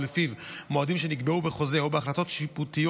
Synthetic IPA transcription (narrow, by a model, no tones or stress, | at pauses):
mefivmoad̪imʃe̞niɡbeubeχo̞zeubeaχlat̪o̞t̪ʃiput̪ijo